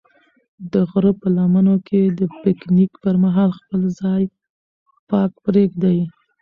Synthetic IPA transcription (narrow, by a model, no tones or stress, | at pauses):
d̪əɣɾəpəlamanokʰed̪əpɪknikpəɾmaɦɑlxpəlzɑj | pɑkpɾeɡd̪aj